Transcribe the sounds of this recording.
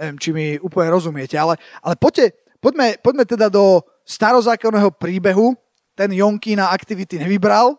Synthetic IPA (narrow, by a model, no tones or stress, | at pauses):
ɛʋɪɛmt͡ʃimiuːpl̩ɲɛɾɔzumɪɛcɛalɛʔa̰lɛpɔcːɛ | pɔɟmɛpɔɟmɛt̪ɛd̪ad̪ɔ | st̪aɾɔzaːkɔnːɛːɦɔpɾiːbɛɦu | t̪ɛnjɔŋkinaakt̪iʋit̪iɲɛʋibɾal